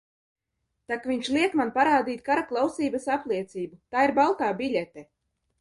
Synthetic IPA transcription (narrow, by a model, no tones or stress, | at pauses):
t̪akviɲʃlˠiɛkmanpaɾaːd̪iːt̪ʲkaɾaklˠawsiːbasaplˠiɛt̪siːbut̪aːiɾbalˠt̪aːbilʲɛt̪ɛ